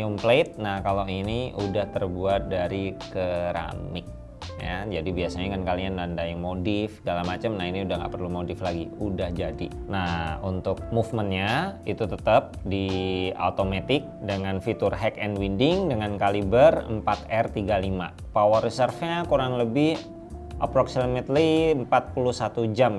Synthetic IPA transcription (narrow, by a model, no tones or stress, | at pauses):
umpleɪt̪̚nahkaloiniudaht̪ərbuat̪̚daɾikəɾa̰mɪk̚ | ja̰d͡ʒadibiasaɲakankaliandandajaŋmodɪfɡalamat͡ʃamnaɦiniudahŋɡa̰ʔpərlumodɪflaɡiudahd͡ʒadinahunt̪ʊk̚mufmənɲait̪ut̪ət̪əp̚dia̰ot̪omat̪ɪk̚dəŋanfit̪ʊrɦɛkɛnwindɪŋdəŋankalibərə̰mpat̪ɛrt̪iɡalima̰ | pawərisərfɲakuɾaŋləbɪh | ʔa̰pɾɔksilmɛt̪liəmpat̪̚pulusat̪ud͡ʒam